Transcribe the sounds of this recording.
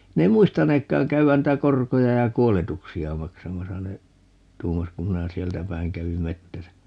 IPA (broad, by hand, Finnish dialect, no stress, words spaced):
ne ei muistɑneːkːɑːŋ kæyæn niˑtæ korkojɑ jɑ kuoletuksiɑ mɑksɑmɑsɑ ne tuːmɑs kum minæ sieltæ pæiŋ kæʋim metːæsæ